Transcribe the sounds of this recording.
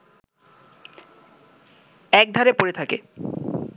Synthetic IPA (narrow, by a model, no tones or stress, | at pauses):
ɛk̚d̪ʱaɾepoɾet̪ʰakḛ